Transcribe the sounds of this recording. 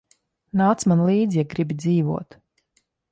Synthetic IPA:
naːt̪smanlˠiːd̪zijaɡɾibid̪ziːvṵɔt̪

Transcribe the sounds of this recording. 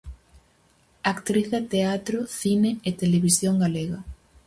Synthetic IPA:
akt̪ɾiθat̪eat̪ɾoθineet̪eleβisjoŋɡaleɣɐ

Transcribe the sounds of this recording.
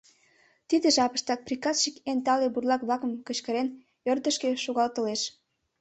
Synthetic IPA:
t̪id̪eʒɑpə̥ʃt̪ɑk̪̚prʲikɑsʃikent̪ɑleburlɑkblɑkəmkət͡ɕkəɾen | ørd̪əʃkeʃuɣɑlt̪ə̆leʃ

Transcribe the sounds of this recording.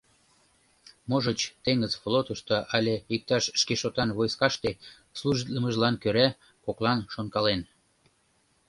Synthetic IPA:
moʒət͡ɕt̪eŋəzflot̪əʃt̪oʔɑlʲeik̚t̪ɑʃːkeʃot̪ɑnβojskɑʃt̪e | sluʒit̪ləməʒlɑnkøɾæ | koklɑnʃonkɑlen

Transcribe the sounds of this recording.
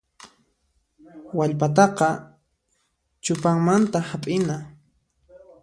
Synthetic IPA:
waʎpat̪ɑqɑ | t͡ʃʊpaŋmant̪ahapʼɪna

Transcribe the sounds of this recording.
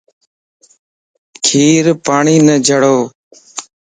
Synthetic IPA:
kʰiːɾpaːɳiːnəd͡ʒʱəɽoː

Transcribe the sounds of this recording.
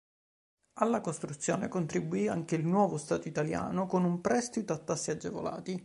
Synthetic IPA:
alːakost̪ɾut̪sːjoːnekont̪ɾibːuiaŋkeilnwɔːvost̪aːt̪oit̪alja̰ːnokonumpɾɛst̪it̪oat̪ːasːiad͡ʒːevo̰la̰ːt̪i

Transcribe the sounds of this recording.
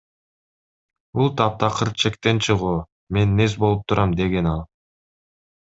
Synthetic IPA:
bulˠt̪ʰɑp̚t̪ɑqʰɯɾ̚t͡ʃʰe̞kt̪e̞nt͡ʃʰɯʁuː | me̞nːe̞sbo̞lˠup̚t̪ʰuɾɑmd̪e̞ɡe̞nɑlˠ

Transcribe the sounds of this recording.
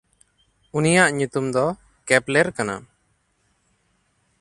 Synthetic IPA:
unijaʔɲut̪umd̪ɔ | kɛplɛɾkana̰

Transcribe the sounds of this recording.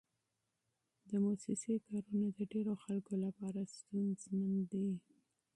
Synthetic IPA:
d̪əmosɪsekɑɾunad̪əɖeɾoxalkolapɑɾast̪unzmənd̪i

